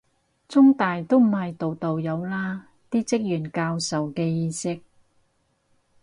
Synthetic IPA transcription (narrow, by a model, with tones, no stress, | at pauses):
t͡sʊ˥ŋt̪aː˨jt̪o˥wm̩˨˩hɐ˨jt̪o˨wt̪o˨wjɐ˨˧wlaː˥ | t̪iː˥t͡sɪ˥k̚jyː˨˩nkaː˧wsɐ˨wkɛː˧jiː˨˧sɪ˥k̚